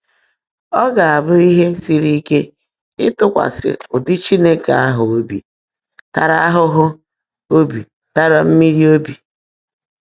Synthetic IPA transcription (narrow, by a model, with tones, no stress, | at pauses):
ɔ˦ɡa˨a˨bʊ˦i˦ɦe˦si˦ɾi˦ke˦ | ɪ˦tʊ˦kʷa̰˨sɪ̰˨ʊ˨dɪ˦t͡ʃi˦ne˦ka˨a˦ɦʊ˨o˦bḭ˨ | ta˨ɾa˦a˦ɦʊ˦ɦʊ˦ | o˦bi˨ | ta˦ɾa˨m̩˦mi˦ɾi˦o˦bi˨